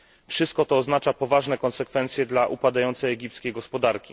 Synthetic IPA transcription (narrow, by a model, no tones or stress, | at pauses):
fʂɘst̪̚kɔt̪ɔːznat͡ʂapɔvaʐnɛkɔnsɛkfɛnt̪sʲjɛd̪laʔupad̪ajɔnt̪sɛjɛɡʲipt̪skʲejɡɔspɔd̪aɾkʲi